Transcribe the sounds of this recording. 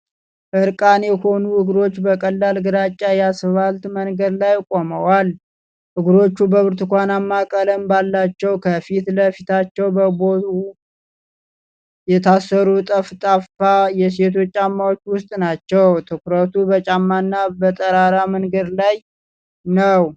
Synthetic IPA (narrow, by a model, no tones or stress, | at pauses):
ʔɨɾkʼanjɛho̞nuɨɡɾo̞t͡ʃːbəkʼəlːalɡɨɾat͡ʃʼːajɛasβalt̪mənɡəd̪lajkʼoməwal | ʔɨɡɾo̞t͡ʃːubəβɨɾt̪ɨkʷanamːakʼələmbalːat͡ʃːɛwkʰəfit̪ləfit̪ʰat͡ʃːɛwbəbou | jɛt̪ʰasːəɾut̪ʼəft̪ʼaffajɛs̬e̞t̪ʰo̞t͡ʃʼːamːawo̞t͡ʃːwʊst̪ʼnat͡ʃːɛwt̪ʰɨkɾət̪ʰubət͡ʃʼamːanːabət̪ʼəɾaɾaməŋɡəd̪laj | nəw